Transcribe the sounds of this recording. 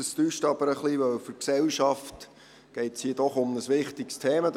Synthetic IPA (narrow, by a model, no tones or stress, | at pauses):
əstyːʃtɑb̥əɾəχliʋœwfʏɾksɛwʃɑft | ɡ̥ɛɪtshiːədɔχʊmnəsʋɪχtɪkst̪ʰeːmɑ